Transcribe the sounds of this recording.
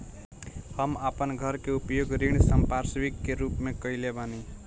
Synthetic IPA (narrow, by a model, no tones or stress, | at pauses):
hʌmapənɡʱʌɾkeupjoɡɾiɳ̃səmpaɾsbikːeɾupmekʌilebani